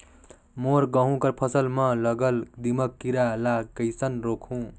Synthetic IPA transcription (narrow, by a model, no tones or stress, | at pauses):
moɾɡʌɦũkʌɾpʰʌsʌlmʌ̃lʌɡʌld̪imʌkːiɾalakʌjsʌnɾokʰũ